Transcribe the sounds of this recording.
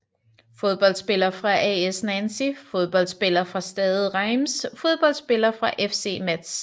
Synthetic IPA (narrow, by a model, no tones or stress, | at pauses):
fo̝ð̞ˠb̥ɒ̽l̰d̥sb̥e̝lɐfʁɑ̈ʔɛesnænsifoð̞ˠb̥ɒ̽l̰d̥sb̥e̝lɐfʁɑ̈sd̥ɛːðˠð̩ˠʁɑ̈ɪmsfo̝ð̞ˠb̥ɒ̽l̰d̥sb̥e̝lɐfʁɑ̈ʔefse̝̰ːmæd̥s